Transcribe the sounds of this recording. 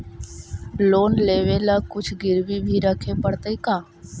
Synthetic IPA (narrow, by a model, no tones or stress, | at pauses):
loːnleːʋelakʊt͡ʃʰɡɪɾbibʱiɾəkʰepəɽt̪əikaː